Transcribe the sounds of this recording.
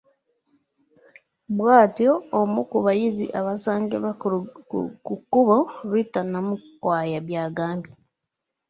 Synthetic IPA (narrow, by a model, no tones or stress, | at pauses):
βwaːtoːmukuβajizḭʔaβasaːŋɡḛβa | kukuβoɾwitanamukwaːjaβjaːɡaːmbi